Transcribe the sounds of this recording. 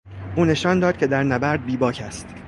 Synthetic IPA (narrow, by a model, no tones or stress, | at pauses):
ʔuːne̞ʃɒːnd̪ɒːd̪̚cʰe̞d̪æɾnæbæɾd̪̚biːbɒːcʰæst̪